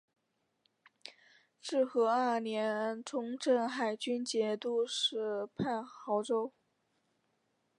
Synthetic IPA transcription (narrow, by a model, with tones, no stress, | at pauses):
ʂɻ̩˥˩xɤ˧˥ə˞˥˩njɛ˧˥ʈ͡ʂʰʊ˧˥ŋʈ͡ʂɤ˥˩ŋxa˨˩ɪt͡ɕy˥nt͡ɕjɛ˧˥t̪u˥˧ʂɻ̩˥˩pʰa˥˩nxɑ˧˥ʊʈ͡ʂo˥ʊ